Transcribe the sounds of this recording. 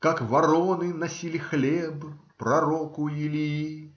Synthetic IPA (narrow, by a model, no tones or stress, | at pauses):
kakvɐɾonɨnɐsʲilʲɪxlʲebpɾɐɾokʊjɪlʲiji